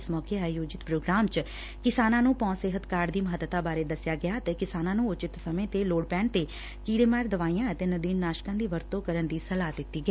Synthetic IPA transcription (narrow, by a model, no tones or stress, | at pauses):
smɔːkeaːjoːd͡ʒɪt̪pɾoːɡɾaːmt͡ʃ | kɪsaːnãːnũːpɔ̃ːnseːɦət̪kaːɾd̪iːməɦət̪ːt̪aːbaːɾeːd̪əsɪjaːɡɪjaːət̪eːkɪsaːnãːnũːʊt͡ʃɪt̪səmẽːt̪eːloːɽpɛːɳt̪eː | kiːɽeːmɛːɾd̪əʋaːijãːət̪eːnəd̪iːnːaːʃkãːnd̪iːʋəɾt̪õːkəɾənd̪iːsəlaːd̪ɪt̪ːiːɡəiː